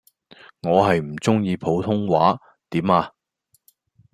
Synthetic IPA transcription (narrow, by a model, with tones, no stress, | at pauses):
ŋɔː˨˧ɦɐ˨jm̩˨˩t͡sʊ˥ŋjiː˨˧pʰo˨˥wt̪ʰʊ˥ŋwaː˨˥ | t̪iː˨˥maː˧